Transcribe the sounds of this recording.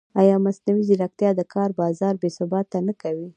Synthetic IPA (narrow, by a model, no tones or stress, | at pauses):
ajɑmasnawiziɾak̚t̪jɑd̪əkʰɑɾbɑzɑɾbesʊbɑt̪ːanəkawi